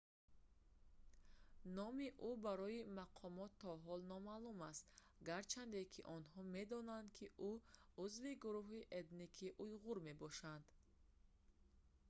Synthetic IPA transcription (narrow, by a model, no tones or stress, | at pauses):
nɔmiʔubaɾɔimaqʰɔmɔt̪ʰːɔɦɔlnɔmalumast̪ | ɡaɾt͡ʃʰand̪ekʰiʔɔnɦɔme̞d̪ɔnand̪kʰiʔuuzviɡuɾuɦiʔed̪nikʰiʔujʁuɾme̞bɔʃand̪̥